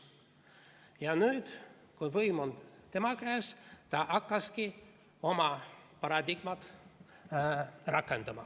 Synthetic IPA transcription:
jɑnyːd̪̥ | kujvɤjmo̞nt̪e̞mɑkæːst̪ɑʔɑkːɑski | o̞mɑpɑɾɑd̪iɡ̥mɑt̪ | rɑkːˑe̞nd̪̥ɑmɑ̰

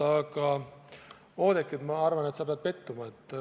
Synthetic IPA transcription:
ɑɡɑ | o̞ːd̪e̞kːˑit̪mɑɑrvɑne̞t̪sɑpeɑd̪̥̚pe̞t̪ːumɑet̪ːˑ

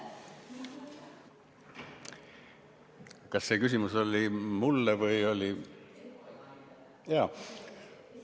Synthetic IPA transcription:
kɑsːe̞ːkysimuso̞lʲimulːevɤjo̞li | jɑː

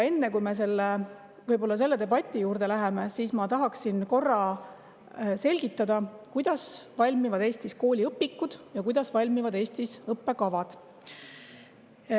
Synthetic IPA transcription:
e̞nːekujme̞s̬e̞lːe | vɤjbo̞lːɑs̬e̞lːe̞d̪e̞bɑt̪ʲːˑijuːɾd̪e̞læɦemesiːsmɑt̪ɑɦɑksinko̞rːɑ | se̞lʲɡ̥it̪ˑːɑd̪̥ɑkujd̪̥ɑsvɑlʲmivɑd̪e̞ːst̪isko̞ːlʲiɤpːikːˑud̪̥jɑkujd̪̥ɑsvɑlʲmivɑd̪e̞ːst̪isɤpːe̞kɑvɑd̪̥

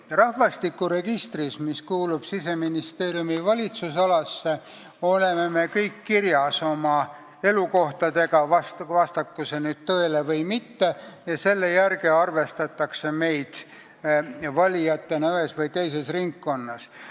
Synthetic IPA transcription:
rɑhvɑst̪ikːˑuɾe̞ɡ̥ist̪rismiskuːlub̥sise̞minist̪e̞ːɾjumivɑlʲit̪susɑlɑsːe̞ | ole̞meme̞kɤjkːirjɑso̞mɑ | e̞luko̞ht̪ɑd̪e̞ɡɑvɑstvɑst̪ɑkːuse̞nyːd̪̥̚t̪ɤ̞elevɤjmit̪ːe̞jɑse̞lːe̞jærɡeɑrve̞st̪ɑt̪ːˑɑkse̞me̞jd̪̥ | vɑlʲijɑt̪ːe̞nyesvɤjt̪e̞jse̞sriŋkːo̞nːɑs

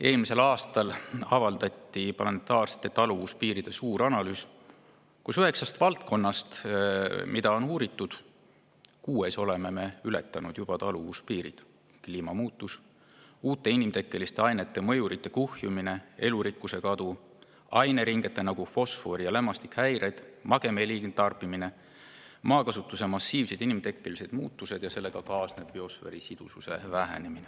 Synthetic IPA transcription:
e̞ːlmise̞lɑːst̪ɑlɑvɑld̪̥ɑt̪ːˑiplɑnet̪ːˑɑːrse̥t̪ːˑe̞t̪ɑluvuspiːɾid̪̥e̞suːɾɑnɑlyːs | kusyɦe̞ksɑst̪vɑlt̪̚ko̞nːɑst̪ | mid̪̥ɑo̞nuːɾit̪ːˑud̪̥ | kuːeso̞le̞me̞me̞yle̞̰t̪ːˑɑnud̪̥jub̥ɑt̪ɑluvuspiːɾḭd̪̥ | kliːmɑmuːt̪ːˑus | uːt̪ˑːe̞inimt̪e̞kːˑe̞list̪eɑjne̞t̪ːe̞mɤ̞juɾit̪ːe̞kuhjumine̞e̞luɾikːˑuse̞kɑd̪u | ɑjne̞ɾiŋɡ̥e̞t̪ːˑe̞nɑɡ̥ufo̞sfo̞ɾijɑlemːɑst̪ikhæjɾed̪̥mɑɡ̥e̞melint̪ɑrpimine̞ | mɑːkɑsut̪ːˑuse̞mɑsːiːvsed̪inimt̪e̞kːˑelise̞d̪̥muːt̪ːˑuse̞d̪jɑse̞lːe̞ɡ̥ɑkɑːsne̞b̥ːio̞sfe̞ɾisid̪̥ususe̞̰væɦḛnemine

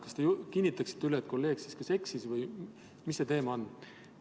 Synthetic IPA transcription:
kɑst̪ejkinʲːit̪ːˑɑksi̥t̪ːylet̪̚ko̞lːe̞ːɡ̥siskɑse̞ksisvɯj | misːe̞t̪e̞ːmɑonː

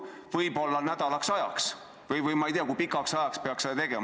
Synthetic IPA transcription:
vɤjbo̞lːɑnæd̪̥ɑlɑksɑjɑ̰ks | vɤjvɯjmɑejt̪eɑkujpikːˑɑksɑjɑkspeɑksed̪ɑt̪e̞ɡ̥e̞m

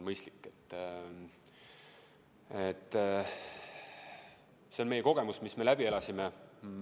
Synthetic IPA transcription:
nmɤjst̪likːˑet̪ːˑ | et̪ːˑ | se̞nme̞jeko̞ɡ̥e̞musmisme̞læbie̞lɑsime

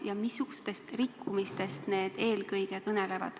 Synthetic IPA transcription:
jɑmisːuɡ̥ust̪e̞st̪rikːumist̪e̞st̪ne̞ːd̪̥e̞ːlkɤjɡe̞kɤne̞le̞vɑ̰d̪̥

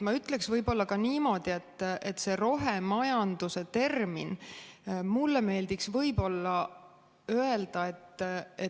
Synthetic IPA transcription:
mɑyt̪ːˑle̞ksvɤjbo̞lːɑkɑniːmo̞ːd̪̥ie̞t̪ˑːet̪ːˑse̞ɾo̞ɦemɑjɑnd̪use̞t̪e̞rmḭn | mulːeme̞ːld̪̥iksvɤjbo̞lːɑ | øeld̪̥ɑe̞t̪ːe

